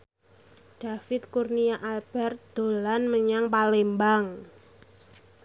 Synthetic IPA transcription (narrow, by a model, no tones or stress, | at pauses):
ɖ̥a̤fɪt̪̚kurniaʔalb̥ɛrt̪̚d̪̥o̤lanməɲaŋpalembaŋ